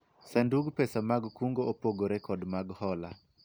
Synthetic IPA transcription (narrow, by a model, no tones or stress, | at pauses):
sanduɡpɛsamaɡkuŋɡoopoɡoɾɛkɔdmaɡhɔla